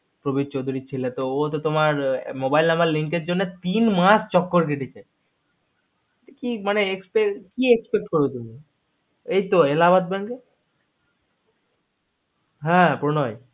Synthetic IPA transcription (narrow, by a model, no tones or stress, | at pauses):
pɾobid̪̚t͡ɕod̪ʱuɾit͡ɕʰilet̪oot̪ot̪omaɾmobajlamaɾliŋk̬eɾd͡ʑonːet̪inmast͡ɕɔkːoɾk̬eʈit͡ɕʰe | t̪ekimaneekspekiekspek̚ʈ̚koɾbet̪umi | ejt̪oelabad̪̚bɛŋɡe | ɦɛ̃pɾonɔj